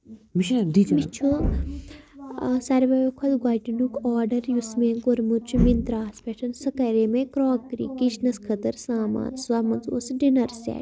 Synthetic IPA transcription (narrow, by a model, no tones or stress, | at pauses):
mid̪mit͡ʃʰu | sɐɾbɐekʰɐlɡaːjʈinukɔːɖɐɾjusmeŋɡoɾmut͡ʃʰumint̪ɾaːspeʈʰɐnsɐkɐɾemekɾoːkːɾḭːkit͡ʃnɐskʰɐt̪ɐɾsaːma̰ːnswamɐnzṵːsɖinɐɾsḛʈ